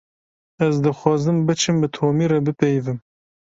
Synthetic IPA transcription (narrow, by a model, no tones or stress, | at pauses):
ɛzd̪ɨxʷɑːzɨmbɨt͡ʃʰɨmbɨt̪ʰoːmiːɾɛbɨpɛjvɨm